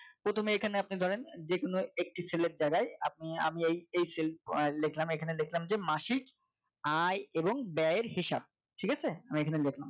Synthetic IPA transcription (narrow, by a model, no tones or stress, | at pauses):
pɾot̪ʰomeekʰaneap̚nid̪ʱɔɾend͡ʑekonoek̚ʈiseleɾd͡ʑaɡaea̰p̚nia̰miejejsellekʰlamekʰanelekʰlamd͡ʑemaʃik | ajeboŋbɛeɾɦiʃa̰b̚ | ʈʰikat͡ɕʰeamiekʰanelekʰlam